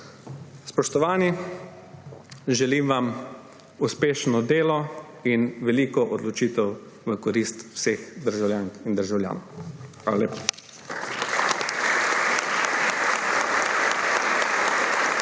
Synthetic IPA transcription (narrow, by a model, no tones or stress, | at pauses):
spɔʃt̪ɔʋaːni | ʒɛlimʋam | uspeːʃnɔd̪eːlɔ | inʋɛliːkɔʔɔd̪lɔt͡ʃiːt̪ɛw | ʋəkɔɾist̪wsexd̪əɾʒawlʲjaːnind̪əɾʒawlja̰ːnɔwxʋaːlaleːpa